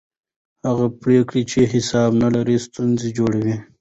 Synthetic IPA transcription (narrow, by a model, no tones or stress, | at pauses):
haɣapɾekɽit͡ʃʰeɦɪsɑːbnalaɾist̪unzid͡ʒoɽawi